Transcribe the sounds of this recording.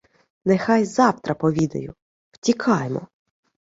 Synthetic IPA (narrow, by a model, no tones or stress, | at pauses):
nɛxɑjzɑwt̪ɾɐpɔʋʲid̪ɐ̰jʊ | w̥tʲikʰɑjmɔ̰